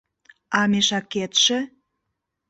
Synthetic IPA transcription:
ɑmeʃɑkːet̪ʃĕ

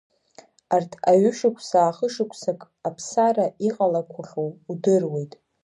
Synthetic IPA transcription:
artʰaɥʏʃɪkʷʰsaːχəʂɨkʷʰʼsakʼ | apʰsaraiqʼalakʷʰaχowdɨrwe̞jtʼ

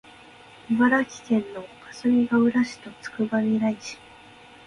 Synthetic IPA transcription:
iβaɾakʲi̥kẽ̞nːo̞kasɨmʲiɡaɯ̟ɾaɕi̥t̪o̞t͡sɨ̥kɯ̟bamʲiɾaiɕi̥

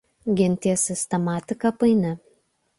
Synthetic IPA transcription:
ɡʲɪnʲˑt̪ʲiɛsʲɪsʲt̪ʲɛmɑːt̪ʲɪkɐpɐɪnʲɛ

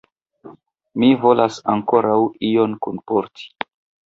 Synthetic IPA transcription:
mivo̞lasaŋko̞ɾawijo̞nkunpoɾtʰi̥

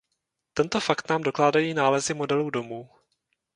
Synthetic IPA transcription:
t̪ɛnt̪o̞fakt̪naːmdo̞klaːdajiːnaːlɛzɪmo̞dɛluːdo̞muː

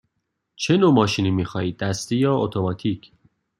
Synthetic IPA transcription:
t͡ʃʰe̞nomɒːʃiniːmixɒːiːd̪̚ːæst̪ejɒːot̪ʰomɒːt̪ʰicʰ

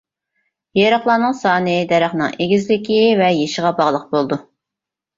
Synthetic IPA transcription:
jeɾɑχlˠɑːnɨŋsɑːnɨd̪ɛɾæχnɨ̰ŋeɡʲizlɪkʲivɛjeʃəʁɑbɑʁlˠəq̚bolˠd̪u

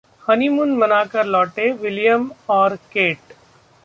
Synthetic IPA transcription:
hɐnimʊnmɐnaːkɐɾlɔːʈeʋɪlijəmɔːɾkeːʈ

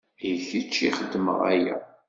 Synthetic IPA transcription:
jəçit͡ʃːiχəd̪ːmə̰ʁæ̰jæ̰

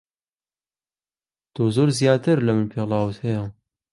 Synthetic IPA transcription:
t̪ʰoːzoːɾzijɑːt̪ʰɨɾlɐmɨnpʰelɑːwɨt̪hɛjɛ

